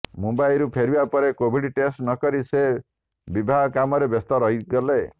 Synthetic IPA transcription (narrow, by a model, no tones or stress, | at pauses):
mumbajɾupʰeɾibapɔɾekobʱiɽiʈesʈnɔkɔɾise | bibʱaɡɔkamɔɾebɔst̪ɔɾɔɦiɡɔle